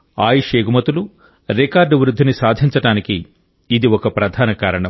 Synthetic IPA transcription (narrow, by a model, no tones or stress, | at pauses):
aːjiʂeːɡumɐt̪ulu | ɾekaːɾɖʋɾud̪ʱːinisaːd̪ʱiɲt͡ʃɐʈaːnikiː | d̪iɔkɐpɾɐd̪ʱaːnɐkaːɾɐɳɐ